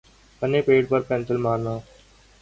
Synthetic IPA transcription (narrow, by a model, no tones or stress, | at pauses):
pənẽːpeːɖ̚pəɾpɛ̃ːnt̪əlmaːɾnãː